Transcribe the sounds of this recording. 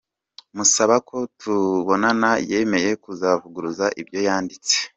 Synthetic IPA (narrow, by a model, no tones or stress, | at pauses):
musaβakʰo̞tʰuβo̞nanajeme̞je̞kuzavuɡuɾuzaʔibjo̞jaːndit͡se̥